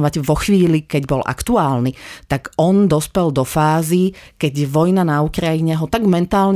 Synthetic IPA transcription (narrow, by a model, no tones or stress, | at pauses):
ʋaɟʋɔxʋiːlikɛɟbɔlʔa̰kt̪uaːlnit̪aɡɔnd̪ɔspɛld̪ɔfaːzikɛɟʋɔjnanaukɾajiɲɛɦɔt̪aɡmɛnt̪aːlɲ